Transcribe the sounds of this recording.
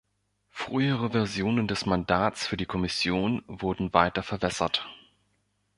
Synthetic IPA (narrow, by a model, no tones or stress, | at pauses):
fʁ̥yːəʁ̞əvɛɐzjoːnəndɛsmandaːt͡sfyːɐdiːkʰɔmɪsjoːnvʊɐdn̩vaɪtɐfɛɐbɛsɐt